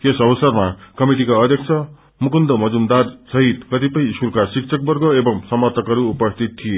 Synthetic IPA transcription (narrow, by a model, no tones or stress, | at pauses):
esʌbʌsʌrmakʌmiʈikaʌd̪ʱjʌkt͡sʰʌ | mukund̪ʌmʌd͡zumd̪ad̪sʌɦit̪kʌt̪ipʌjisurkasikt͡sʰʌk̚bʌrɡoebʌŋsʌmʌrt̪ʰʌkʌɾuːpʌst̪ʰit̪̚ʰːije